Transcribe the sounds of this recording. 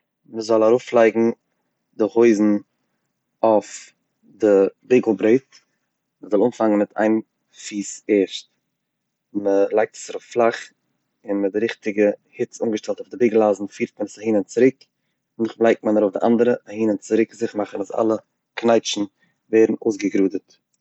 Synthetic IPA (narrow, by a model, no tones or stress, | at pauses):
məzɔlˠaɾuːflˠaɪɡŋ̩ | dɪχhoɪzn̩ | aʊf | dɪbeɡl̩ˠbɾeɪt̚ | məzɔlˠumfaŋənmɪtʰa̰ɪn | fiːseːʃt | məlˠaɪk̚tə̥saɾʊfflˠaχ | ɪnmədɪɾɪχtɪɡəhɪt͡suːŋɡəʃtɛlˠtʊfdɪbɪːɡl̩ˠaːzn̩fiːɾt̚mənəsahiːnənt͡sɪɾɪk | nɪχblˠaɪk̚t̚manɾoʊfdɪʔa̰ndəɾəʔahiːnənt͡sɪɾɪkzɪχmaχənaza̰lˠə | knaɪt͡ʃn̩ | veːɾn̩o̰ːsɡəɡɾuːdət